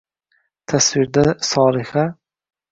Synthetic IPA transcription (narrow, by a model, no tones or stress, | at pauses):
t̪ʰaswɪɾd̪asɒːlɪha